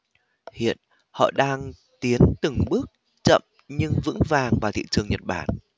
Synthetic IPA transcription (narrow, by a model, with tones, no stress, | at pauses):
hḭ˧˨ən | hɔ̰˧˨ɗaː˧ŋ | t̪i˨˦ənt̪ɨ˨˩ŋɓɨ˦˥ək̚ | t͡ɕə̰˧˨m | ɲɨ˧ŋvɨ̰˧˥ŋvaː˨˩ŋvaː˨˩t̪ʰḭ˧˨t͡ɕɨ˨˩əŋɲə˨˩t̚ɓaː˧˩n